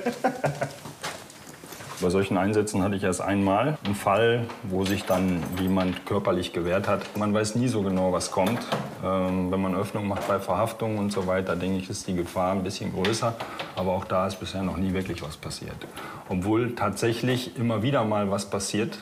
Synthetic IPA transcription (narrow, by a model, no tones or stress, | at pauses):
b̥aɪzɔlçn̩ʔaɪnzɛt͡sn̩hatəɪçeːɐstʔa̰ɪnmaːln̩falvoːzɪçd̥anjeːmantkʰœɐpɐlɪçɡ̥əveːɐthatmanvaɪsniːzoːɡənaʊvaskʰɔmtʔɛːmvɛnmanʔœfnʊŋmaχt̚b̥aɪfɛɐhaftʊŋʊntz̥ovaɪtddɛŋkəɪçɪstd̥iːɡəfaːɐnbɪsçənɡʁøːsɐʔaːbɐaʊxd̥aːɪstb̥ɪsheːɐnɔχniːvɪɐklɪçv̥aspʰasḭːɐt | ʔɔpv̥oːltʰaːtz̥ɛçlɪçʔɪmɐviːdɐmaːlvaspʰasiːɐt